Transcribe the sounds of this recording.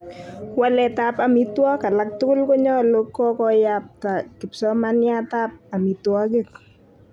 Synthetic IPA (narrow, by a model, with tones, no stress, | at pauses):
kwa˦lɛ˨tapa˨mi˦twɔ˦ka˨lak̚tʊ˦kʊ˦lko˦ɲɔ˦lo˦kːɔ˦kɔ˦jap̚ta˨kɪ˨psɔ˦ma˦nja˦ta˦p̚a˨mi˨twɔ˦kɪ˦k